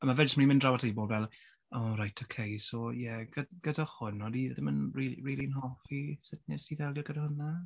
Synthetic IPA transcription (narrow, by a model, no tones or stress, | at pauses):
əmavɛd͡ʒəsmənimɪ̃ndrawadʰejboːldvɛlˠ | ɔrajtʰokʰejsɔjɛɡ̥əɡ̥ədahʊnɔdiðɪmənriiriːlinɦɔfisɪtnɪsiðɛlˠjɔɡədahʊna